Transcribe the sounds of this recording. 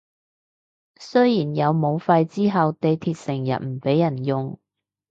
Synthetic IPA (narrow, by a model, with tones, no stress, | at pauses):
sɵ˥jjiː˨˩njɐ˨˧wmo˨˧wfɐ˧jt͡siː˥ɦɐ˨wt̪e˨˧jt̪ʰiː˧t̚sɪ˨˩ŋjɐ̰˨t̚m̩˨˩pe˨˥jɐ˨˩njʊ˨ŋ